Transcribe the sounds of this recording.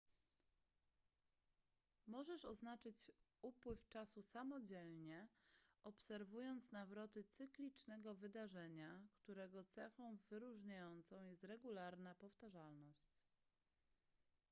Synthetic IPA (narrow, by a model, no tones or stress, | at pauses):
mɔʐɛʂɔznat͡ʂɘt͡ɕupwɘft͡ʂasusamɔd͡ʑɛlɲɛɔpsɛɾvujɔnt̪snavɾɔt̪ɘt̪sɘklʲit͡ʂnɛɡɔvɘd̪aʐɛɲakt̪uɾɛɡɔt̪sɛxɔ̃w̃vɘɾuʐɲajɔnt̪sɔ̃w̃jɛst̪ɾɛɡulaɾnapɔft̪aʐalnɔɕt͡ɕ